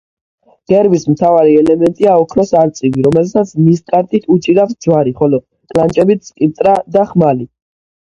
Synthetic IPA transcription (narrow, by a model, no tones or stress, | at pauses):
ɡ̥ɛɾbismt̪ʰavaɾiɛlɛmɛnt̪ʼiaɔkʰɾɔsaɾt̪sʼiviɾɔmɛlsat̪sʰmisk̪ʼaɾt̪ʼit̪ʰut͡ʃʼiɾafsd̪zwaɾiχɔlɔ | kʼlant͡ʃʼɛbit̪sʼkʼipt̪ʼɾad̪aχmali